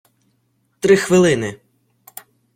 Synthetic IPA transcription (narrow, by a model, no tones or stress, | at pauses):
t̪ɾɪxʋɪlˠɪnɪ